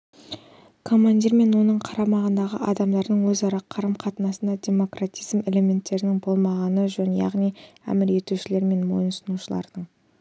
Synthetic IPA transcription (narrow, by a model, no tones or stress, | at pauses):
kʰo̞manʲd̪ʲiɾme̞nwo̞nəɴqʰɑɾɑmɑʁənd̪ɑʁə̰ʔɑd̪ɑmd̪ɑɾd̪əɴwɵzɑɾɑqʰːɑɾəmqʰɑt̪ənɑsənd̪ɑd̪ʲe̞mo̞krat̪ʲijzme̞le̞mʲe̞nt̪ːe̞ɾɪnɪŋbo̞lˠmɑʁɑnəʒɵnjɑ̰ʁnijæ̰mɪɾe̞t̪uʃɪle̞ɾme̞nmo̞̰jənsənuʃəlˠɑ̰ɾd̪̥əɴ